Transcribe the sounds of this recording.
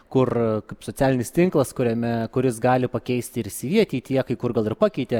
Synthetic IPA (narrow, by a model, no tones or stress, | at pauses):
kʊrkɐɪpsoːt͡s̪ʲæːlʲɪnʲɪsʲt̪ʲɪŋklˠɐskʊɾʲɛmʲɛkʊɾʲɪsɡɑːlʲɪpɐkʲɛɪsʲt̪ʲɪɪɾɪsʲɪʋʲiɛt̪ʲiːt̪ʲiɛkɐɪkʊrɡɐlˠɪrpɑːkʲɛɪt̪ʲe